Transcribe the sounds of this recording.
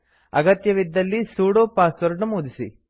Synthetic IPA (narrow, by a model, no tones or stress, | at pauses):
ɐ̰ɡɐt̪jɐʋid̪ːɐlːisuːɽoːpaːsʋɐɾɳumuːd̪isi